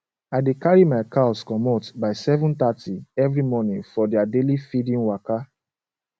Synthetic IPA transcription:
aɪdekaɹimaɪkaɔskɔmɔtbaɪsɛvũnt̪atiɛvɹimɔnĩŋfɔdɛadelifidĩnwaka

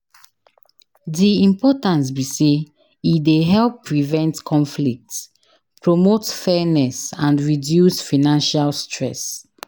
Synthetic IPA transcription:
diĩmpɔtãns̬bise | ideɦɛlpʰːɹivɛ̃ntkʰɔ̃nflik̚ts | pɹomotfɛnɛsãndɹidjusfanãnʃalstʰɹɛs

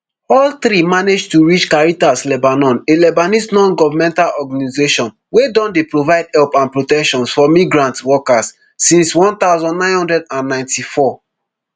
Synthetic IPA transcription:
ɔlt̪ɾimaned͡ʒtuɹit͡ʃkaɹitaslɛbanɔ̃nelɛbanisnɔ̃nɡɔvamɛ̃ntalɔɡanizeʃɔ̃n | wedɔ̃ndepɹovaɪd̚hɛlpãnpɹotɛkʃɔ̃nsfɔmiɡɹãntwɔkasː | ĩnswɔ̃nt̪aʊzɔ̃nnãɪ̃nhɔ̃ndɹɛdãnːãɪ̃ntʰifɔ

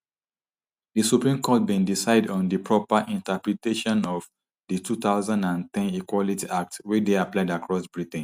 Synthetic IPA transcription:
disupɹĩmkʰɔt̚bĩndisaɪdɔ̃n̩dipɹɔpaʔĩntəpɹiteʃɔ̃nɔv | ditut̪aʊzãndãntɛ̃nikwɔlitiʔak̚twit͡ʃdeaplaɪdakɹɔsbɹitn̩

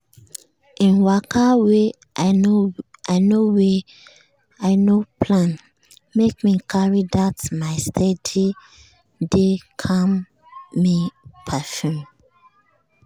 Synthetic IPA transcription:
ʔĩnwakawe | a | aɪnowe | aɪnopʰlãn | mekmikʰaɹidatmaɪstʰedi | dekʰãmː | ipʰafjum

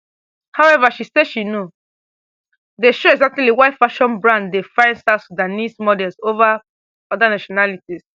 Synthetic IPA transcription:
hawɛvaʃiseʃino | deʃoɛɡzak̚tliliwaɪfaʃɔ̃nbɹãndefãɪ̃nsasudanismɔdɛlsova | ɔdanaʃɔnalitis

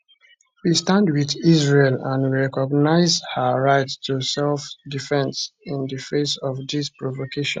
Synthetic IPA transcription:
wistãndwiðizɹelãniɹɛkɔɡnaɪzhəɹaɪttʰusɛlfdifɛ̃nsĩndəfesɔfdispɹɔvokʰeʃɔ̰̃n

